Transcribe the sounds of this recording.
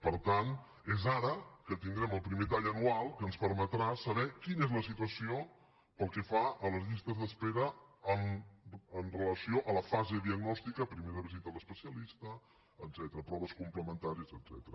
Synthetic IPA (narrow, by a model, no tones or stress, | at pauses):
pəɾt̪an | ezaɾəkət̪iŋd̪ɾɛməlˠpɾimet̪aʎənualˠkənspəɾmət̪ɾasəβɛkinezləs̬it̪uəsio | pəlˠkɛfaələzʎist̪əzðəspeɾəən | ənrələsioʔələfazeðiəɡnɔst̪ikəpɾimeɾəβizit̪ələspəsiəlist̪əː | d̪zɛt̪əɾəpɾɔβəskumpləmənt̪aɾiəzəd̪z̥ɛ̰t̪əɾə